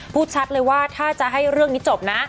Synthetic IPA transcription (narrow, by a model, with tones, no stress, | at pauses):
pʰuː˥˩t̪̚t͡ɕʰa˦˥t̪̚lɤː˧jwaː˥˩t̪ʰaː˥˩t͡ɕa˨˩ʔɦa˥˩jɾɯ˥˩əŋni˦˥t͡ɕo˨˩p̚na˦˥